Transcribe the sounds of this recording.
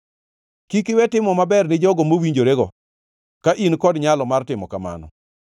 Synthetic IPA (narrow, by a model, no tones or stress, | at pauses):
kikɪwɛtɪmɔmabɛrnɪd͡ʒɔɡɔmowiɲd͡ʒoɾeɡɔ | kaʔinkɔdɲalɔmartɪmɔkama̰nɔ̰